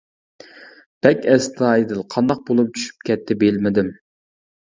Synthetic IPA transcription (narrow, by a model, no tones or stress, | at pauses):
b̥ɛkʲɛst̪ʰɑjd̪ɨlˠqʰɑnd̪ɑq̚bolˠup̚t͡ʃʰy̥ʃy̥p̚kʲɛt̪ʰːɪbelmɪd̪ɪm